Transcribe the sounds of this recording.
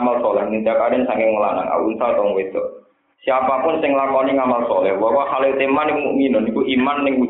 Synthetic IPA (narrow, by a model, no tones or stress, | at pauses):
malsɔlɛhnit̪akadɛnsaŋkɪŋŋəlana̰ŋa̰ṵnsat̪ɔŋwet̪ɔʔ | siapapʊnsɪŋlakɔniŋamalsɔlɛhwɔkɔhalet̪emanɪŋmuʔminʊnikuʔimanːɪŋwu